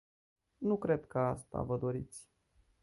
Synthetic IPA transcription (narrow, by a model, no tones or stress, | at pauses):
nukɾe̞d̪kəast̪a̰vəd̪o̞ɾit̪sʲ